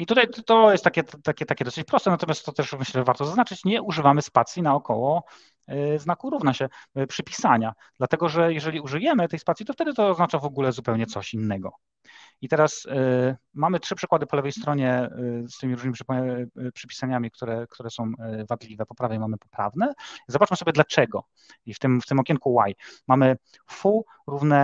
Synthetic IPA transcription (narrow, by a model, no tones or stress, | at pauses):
it̪ut̪aj̪t̪ɔjɛst̪ːakʲɛt̪t̪akʲɛt̪akʲɛd̪ɔsɘt͡ɕpɾɔst̪ɛnat̪ɔmʲjast̪ːɔt̪ɛʂmɘɕlɛʐɛvaɾt̪ɔzaznat͡ʂɘt͡ɕɲɛʔuʐɘvamɘspat̪sjinaɔkɔwɔ | znakuɾuvnaɕɛpʂɘpʲisaɲa | d̪lat̪ɛɡɔʐɛjɛʐɛlʲiuʐɨjɛmɘt̪ɛjspat̪sʲjit̪ɔft̪ɛd̪ɘt̪ɔːznat͡ʂavɔɡulɛzupɛwɲɛt̪sɔɕinːɛɡɔ | it̪ɛɾas | mamɘtʂɘpʂɘkwad̪ɘpɔlɛvɛjst̪ɾɔɲɛst̪ɘmʲiɾuʐnɘmipʂpʂɘpʲi̥saɲamʲik̚t̪uɾɛkt̪uɾɛsɔ̃w̃vad̪lʲivɛpɔpɾavʲjɛmamɘpɔ̥pɾa̰vnɛzɔbat͡ʂmɘsɔbʲjɛd̪lat͡ʂɛɡɔ | ift̪ɘmft̪ɘmɔkʲɛŋkuwajmamɘ | fu | ɾuvnɛ